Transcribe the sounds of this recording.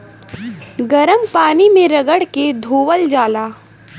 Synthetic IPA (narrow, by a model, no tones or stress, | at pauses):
ɡɐɾəmpaːnimẽɾɐɡəɽked̪ʱoːʋəld͡ʒaːlaː